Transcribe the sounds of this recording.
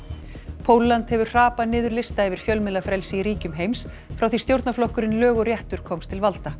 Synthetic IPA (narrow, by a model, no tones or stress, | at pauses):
pʰoːwlːant̪hɛvʏ̥r̥aːpanɪːðʏɾlɪst̪aɛvɪɾ̥fjœlmɪlːafɾɛlsɪiɾiːcʏmɦejms | fɾawθi̥st̪jowɾt̪naflɔhkʏɾɪnlœːɣʏɾjɛht̪ʏɾ̥kʰɔmst̪ʰɪlvalt̪a